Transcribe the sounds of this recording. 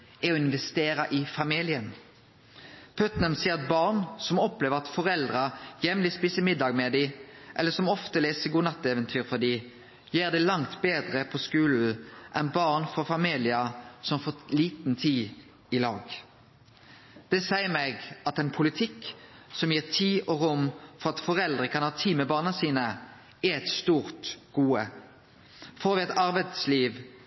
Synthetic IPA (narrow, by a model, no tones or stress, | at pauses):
ɛɔɪnʋɛst̪eːɾɑʔɪfɑmilɪən | pʰøːt̪næmsiːʁɛt̪̚bɑʁnsɔmɔpleːʋəʁɑt̪fɔʁɛld̪ʁɑjɛmlɪspiːsəmɪd̪ːɑːɡmɛd̪iʔɛlːəsɔmɔft̪əleːsəɡuːnɑt̪ːɛːʋənt̪ʰyːʁfɔd̪iː | jeːʁd̪ɛlɑŋt̪beːd̪ʁəpʰɔskʉːln̩ʔɛnbɑʁnfɔʁfɑmiːlɪɑsɔmfoːliːt̪n̩t̪ʰiː | ɪlɑːɡ | d̪̥ɛsæɪəmɛɡɑt̪ɛnpʰʊlɪt̪ʰɪkːsɔmjiːʁt̪ʰiːʔoːʁʊmfɔʁɑt̪fɔʁɛld̪ʁəkʰɑnhɑːt̪ʰiːmɛbɑːʁnɑsiːnə | ɛɛt̪st̪uːʁt̪ɡ̥uːə | foːɾʋɪɛt̪ɑʁbæd̪sliːʋ